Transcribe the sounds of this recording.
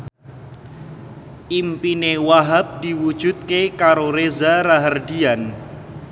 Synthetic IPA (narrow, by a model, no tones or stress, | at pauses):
ʔimpinewaɦap̚d̪̥i̤wud̥ʒ̥ṳt̪̚kekaɾoɾezaɾaɦərdian